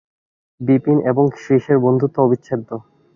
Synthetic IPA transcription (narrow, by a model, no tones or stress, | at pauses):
bipineboŋʃeʃeɾbond̪ʱut̪ːoobitːɕʰed̪ʱo